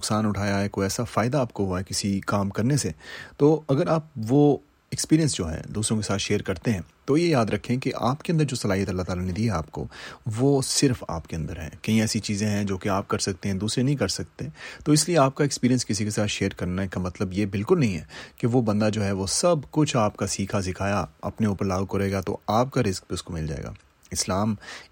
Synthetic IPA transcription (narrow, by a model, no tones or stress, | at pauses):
nʊksaːnʊʈʰaːjaɦɛkoːiɛːsafaːɪd̪aaːp̚koɦuaɦɛkɪsikaːmkɐɾneset̪oːɐɡəɾaːp̚ʋo | ɛkspiːɾijə̃nsd͡ʒoːɦɛ̰d̪uːsɾõkesaːt̪ʃeːɾkɐɾt̪eɦɛ̃ːt̪ojejaːd̪ɾɐkʰːẽkeʔa̰ːpkeɐ̃nd̪əɾd͡ʒoːsɐlaːijət̪ɐlːat̪aːlaned̪iːɦɛaːp̚ko̰ʋoːsɪɾfa̰ːpkeɐ̃nd̪əɾɦɛ̰̃ːkɐɦĩɛːsit͡ʃiːzẽɦɛ̃d͡ʒoːkeaːp̚kɐɾsɐk̚t̪eɦɛ̃d̪uːsɾenɐɦĩkɐɾsɐk̚t̪et̪oɪslieaːp̚kaekspiːɾiə̃nskɪs̬ikesaːt̪ʃeːɾkɐɾnakamɐt̪ləbjebɪlkʊlnɐɦĩɦɛ̰ːkeʋobɐ̃nd̪ad͡ʒoːɦɛʋosɐbkʊt͡ʃʰaːpkasiːkʰasɪkʰaːjaɐ̰pneuːpəɾlaːɡukoɾeːɡat̪o̰aːp̚kaɾɪzk̚peʊskomɪld͡ʒaːḛːɡa̰ː | ɪslaːm